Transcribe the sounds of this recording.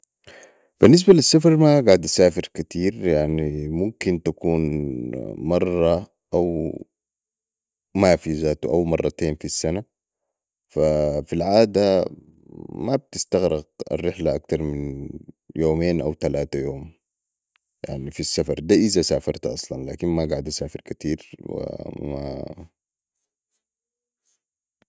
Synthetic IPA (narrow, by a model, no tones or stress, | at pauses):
b̥inːis̬balisːafɑɾˤmaɡaʕd̪ʔasaːfiɾkat̪ʰiːɾjaʕnimumkint̪akuːn | mɑrˤːɑ | ʔaw | mafizaːt̪uʔawmɑrˤːɑt̪eːnfisːana | fafilʕaːd̪a | mab̚t̪ist̪aɣɾɪɡa̰rːɪħlaʔak̚t̪ɑɾˤmin | joːmeːnʔa̰wt̪alaːt̪ajoːm | ja̰ʕnifisːafɑɾˤd̪aːʔizasaːfɑɾˤt̪ʔɑ̰sˤlɑnlaːkinmaɡaʕd̪ʔasaːfiɾkat̪iːɾwḭma̰